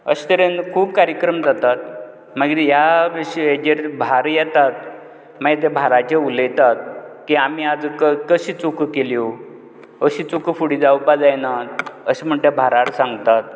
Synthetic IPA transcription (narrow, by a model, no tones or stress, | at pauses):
ə̰ɕi̥t̪əɾenkʰuːb̚kaɾjəkɾəmd͡zat̪at̪̚ | məɡijaɕed͡ʑeɾbʱaɾjɛt̪at̪̚ | məɡet̪̬ebʱaɾat͡ɕeuləjt̪at̪̚kiamiad͡zkəkəɕiːt͡sukkelio | əɕit͡sukfuɽid͡zawpad͡zajnat̪əɕim̤əɳʈ̪ebʱaɾaɾsãŋɡt̪at̪̚